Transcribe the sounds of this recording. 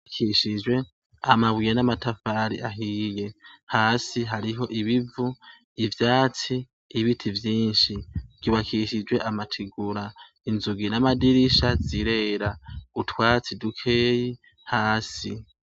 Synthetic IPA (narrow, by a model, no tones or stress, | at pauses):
kʰiʃid͡ʒwe̞ | amaβwijenamatʰafaːɾḭʔaɦiːje̞haːsiɦaɾiɦo̞ʔiβivu | ivjaːt͡siː | βitʰivjiːnʃiɡ̥iβakʰiʃid͡ʒwe̞ʔamatʰiɡuɾa | inzuɡinamadiɾiʃaziɾe̞ɾautʰwaːt͡sidukʰeːji | haːsi